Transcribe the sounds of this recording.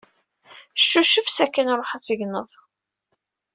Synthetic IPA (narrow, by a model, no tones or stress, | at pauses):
ʃːuʃəfsækːənɾˤoħat͡sːəʝnəðˤ